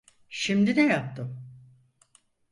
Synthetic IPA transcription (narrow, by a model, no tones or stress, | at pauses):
ʃimd̪inɛjap̚t̪ʰɯm